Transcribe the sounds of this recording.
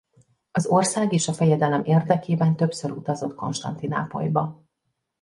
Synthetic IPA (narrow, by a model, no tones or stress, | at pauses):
ɒzorsaːɡeːʃɒfɛjɛd̪ɛlɛmeːrd̪ɛkeːbɛnt̪øpsøɾut̪ɒzo̞t̪ko̞̰nʃt̪ɒ̰nt̪ina̰ːpo̞̰jbɒ